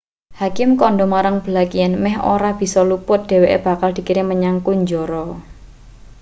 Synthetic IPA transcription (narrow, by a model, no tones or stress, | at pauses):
hakɪmkɔɳɖɔmaɾaŋb̥əlakijanmɛɦo̰ɾab̥i̤sɔlupʊt̪̚d̥e̤weʔḛb̥a̤kald̪̥i̤kiɾɪŋməɲaŋkuɲd͡ʒɔɾɔ